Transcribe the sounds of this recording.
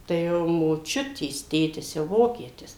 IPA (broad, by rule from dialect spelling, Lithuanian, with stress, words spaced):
tɐɪ ˈjɛʊ moːˈt͡ʃʲʊtʲeːs ˈtʲeːtʲɪs jɛʊ ˈʋoːkʲiɛtʲɪs